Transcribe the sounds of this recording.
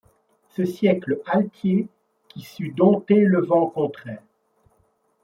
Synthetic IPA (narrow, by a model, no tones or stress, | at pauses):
səsjɛkləalt̪ʰje | kisyd̪ɔ̃t̪eləvɑ̃kɔ̃t̪χɛːʁ